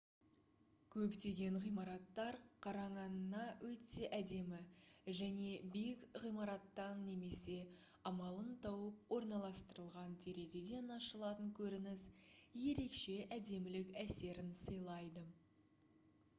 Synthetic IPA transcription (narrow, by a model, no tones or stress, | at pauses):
kʲʰɵpt̪e̞ɡʲe̞ɴʁijmɑɾɑt̪ːɑɾqʰɑɾɑɴɑnənɑwɵt̪e̞ʔæd̪e̞mɪʒæne̞bijɪkʁijmɑɾɑt̪ːɑnːe̞me̞se̞ | ɑmɑlˠənt̪ʰɑwəp̚wo̞ɾnɑlˠɑst̪əɾəlˠʁɑnt̪ʰe̞ɾe̞ze̞d̪e̞nɑʃəlˠɑt̪əŋkʲʰɵɾɪnɪzje̞ɾe̞kʃe̞ʔæd̪e̞mɪlɪkæse̞ɾɪnsəjlˠɑjd̪ə